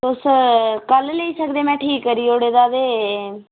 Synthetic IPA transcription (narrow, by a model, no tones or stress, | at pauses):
t̪ʊskəlleiːsəkd̪eːmɛ̃ːʈʰiːkːəɾiːoːɽeːd̪aːd̪eː